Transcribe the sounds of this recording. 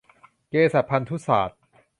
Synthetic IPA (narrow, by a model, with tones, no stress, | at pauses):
keː˧sa˨˩t̪̚pʰa˧nt̪ʰu˦˥saː˨˩t̪̚